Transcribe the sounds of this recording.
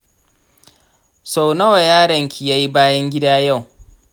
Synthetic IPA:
sa˨wnɐ˦wa˨jaː˦ɽɐ˨ŋkʲʰi˨ja˦ji˦baː˦jɐ˦ŋɡʲɪ˦daː˦ja˦˨w

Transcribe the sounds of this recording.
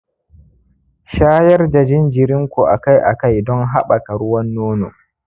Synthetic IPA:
ʃaː˦jɐ˦rda˨d͡ʒɪ˦nd͡ʒɪ˨ɾɪ˦ŋkʷu˨ʔa̰˨ka˦jʔa̰˨ka˦jdɔ˦ŋɦa˦ɓa˨ka˨ɾʊ˦wɐ˦nːoː˦no̰ː˨

